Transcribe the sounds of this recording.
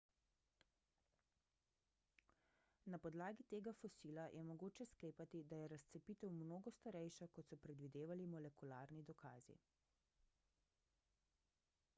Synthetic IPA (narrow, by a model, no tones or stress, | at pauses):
napɔd̪laːɡit̪eːɡafɔsilajʔɛmɔɡoːt͡ʃɛskleːpat̪id̪ajɛɾast̪sɛpit̪ɛwmnoːɡɔst̪aɾɛjʃakɔt̪sɔpɾɛd̪ʋid̪eːʋalimɔlɛkula̰ːɾnid̪ɔkʰa̰ːzḭ